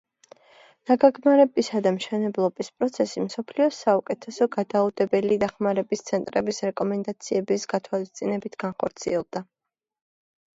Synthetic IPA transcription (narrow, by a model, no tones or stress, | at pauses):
n̥aɡaɡmaɾɛbisad̪amʃɛnɛblˠɔbispʼɾɔt̪sʰɛsimsɔpʰliɔsaukʼɛt̪ʰɛsɔɡad̪aud̪ɛbɛlid̪aχmaɾɛbist̪sʰɛnt̪ʼɾɛbisɾɛkʼɔmɛnd̪at̪sʰiɛbisɡat̪ʰwalist̪sʼinɛbit̪ʰɡ̥anχɔɾt̪sʰḭɛlˠd̪a